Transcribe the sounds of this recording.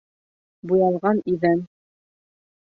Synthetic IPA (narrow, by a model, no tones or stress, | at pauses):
bujɑlˠʁɑniðæn